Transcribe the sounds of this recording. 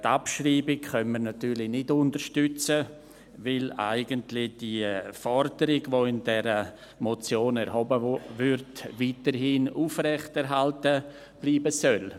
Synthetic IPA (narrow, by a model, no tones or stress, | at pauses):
tapʃriːbɪkχœnməɾnatyːɾlɪnɪdʊntəɾʃtʏt͡sə | vɪla̰ɪɡəntlɪd̥ifɔɾdəɾɪɡvoɪndɛɾə | mot͡sjoːnɛɾhɔbəvʏɾtviːtəɾɦɪnuːfrɛχtɛɾɦaltə | b̥liːbəsœl